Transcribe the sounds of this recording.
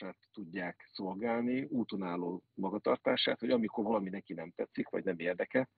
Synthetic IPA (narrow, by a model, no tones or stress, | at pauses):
aːt̪ːuɟːaːkso̞lɡaːlniuːt̪o̞naːloːmɒɡɒt̪ɒrt̪aːʃa̰ːt̪ho̞ɟɒmiko̞rvɒlɒminɛkinɛmt̪ɛt̪sːikʋɒ̰ɟnɛmeːrd̪ɛkɛ